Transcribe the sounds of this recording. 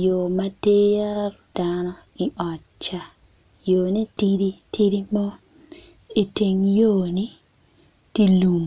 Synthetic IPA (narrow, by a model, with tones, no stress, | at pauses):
jo˨ma˦te˦ja˦ɾd̥anɔ | i˨ʔɔ˨ | t͡ʃːa˨ | jo˨ni˦ti˦ɾi˦ti˦ɾi˦mɔ˦ | e˨te˨ŋjo˦˨ni˦ | ti˦lu˨m